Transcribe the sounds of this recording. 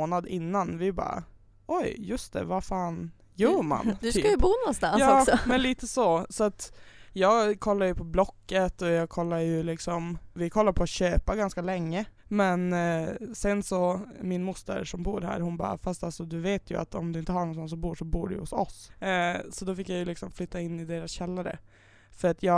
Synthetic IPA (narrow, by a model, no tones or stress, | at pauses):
oːnad̪ɪnːanvɪbɑ̰ːɾ̰ | ʔɔjjɵst̪ʰɛ̰vafaːn | jœːɾma̰nd̪sʰyːkajəbuːnɔnst̪anjɑɔːsɔmɛnliːt̪əsɔsɔat̪jɑːɡkʰɔlːaɾjɵpʰɔblɔkːət̪ɔjɑːɡkʰɔlːajɵlɪksɔmvɪkʰɔlːaɾpʰɔat̪ɕøːpaɡanskalɛŋːəmɛn | sɛnsɔmɪnmʊst̪ə̰ɾʂɔmbuːɾhæ̰ːɾhʊnbɑ̰ːɾa̰fast̪alsɔd̪ɵveːt̪ʰjɵ̰a̰t̪ɔmd̪ɵɪnt̪əhaɳɔnsɔns̬ɔbuːʂɔbuːɖɛ̰j̰hʊsɔ̰s | sɔd̪ɔfɪkːjajɵlɪksɔmflʏt̪ːaɪnːɪd̪eːɾasɕɛlːaɾə̰ | fœɾat̪ʰjɑː